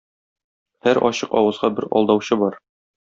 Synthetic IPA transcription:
hæɾʔɒ̰ɕɤqɒwɤ̆zʁɑbɘɾɒ̰lˠd̪ɑwɕɤbɒɾ

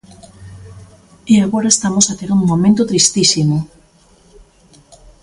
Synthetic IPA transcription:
eaɣoɾaest̪amosat̪eɾuŋmomẽnt̪ot̪ɾist̪isimo

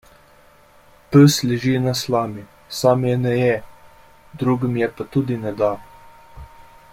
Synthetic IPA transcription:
pəslɛʒinaslaːmi | saːmjɛnɛjɛ | d̪ɾuːɡəmjɛpat̪ud̪inɛd̪a

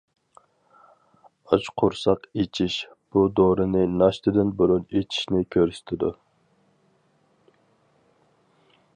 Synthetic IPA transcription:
ɑt͡ʃqʰʊɾsɑqet͡ʃʰiʃ | b̥ud̪oɾɨnɨnɑʃt̪ʰɪd̪ɪnbuɾunet͡ʃʰi̥ʃnɪkʲʰøɾsy̥t̪ʰɪd̪u

